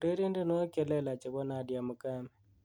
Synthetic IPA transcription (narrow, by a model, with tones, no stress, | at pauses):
ɾe˦ɾi˦nde˦no˦kɛ˨lɛ˦la˨t͡ʃe˨βɔ˦na˨˦dja˨mu˨ka˦mɛ˨